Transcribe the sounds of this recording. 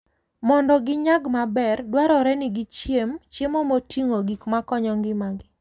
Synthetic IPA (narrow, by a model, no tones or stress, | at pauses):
mɔndɔɡɪɲaɡmabɛrdwaɾɔɾɛnɪɡɪt͡ʃjemt͡ʃjemomotiŋoɡikmakɔɲɔŋɡɪmaɡɪ